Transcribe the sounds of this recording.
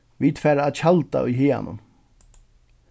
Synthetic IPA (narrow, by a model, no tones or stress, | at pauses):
ʋiːt̪fɛːɾaːçalt̪a̰ʔʊjɦeːa̰nʊ̰m